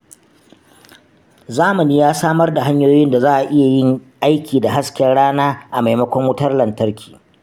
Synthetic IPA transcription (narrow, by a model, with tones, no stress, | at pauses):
zaː˦mɐ˨niː˦jaː˦saː˦mɐ˦rda˨ɦa˦ɲjoː˦jɪ˦nda˨zaː˦ʔa˨ʔɪ˦ja˨jɪ˦ŋʔa˦jkʲiː˨da˨ɦa˦skʲɐ˦ɽaː˦naː˦ʔa˨ma˨jmɐ˦kʷɔ˦ŋwʊ˦tɐ˦rlɐ˨ntɐ˦rkʲʰi̥ː˨